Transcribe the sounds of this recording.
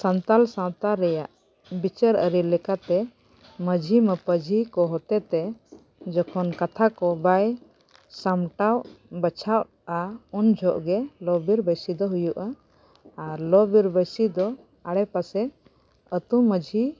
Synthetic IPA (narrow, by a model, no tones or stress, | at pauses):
sant̪alsãwt̪aɾɛjaʔ | bit͡ʃəɾəɾilɛkat̪ɛ | məd͡ʒʱiməpəd͡ʒʱikɔɦɔt̪ɛt̪ɛ | d͡ʒɔkʰɔnkat̪ʰakɔbaj | samʈawbət͡ʃʰaw | aund͡ʒʱɔʔɡɛlɔbiɾbəjsid̪ɔɦujuʔaː | ɾlɔbiɾbəjsid̪ɔ | aɽɛpasɛ | ət̪uməd͡ʒʱi